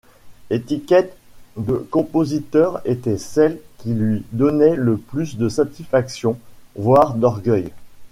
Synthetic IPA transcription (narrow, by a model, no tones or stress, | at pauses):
et̪ikʲɛt̪ | d̪əkɔ̃pozit̪œʁet̪ɛsɛlkʲilɥid̪ɔnɛləplysd̪əsat̪isfaksjɔ̃vwaʁd̪ɔʁɡœj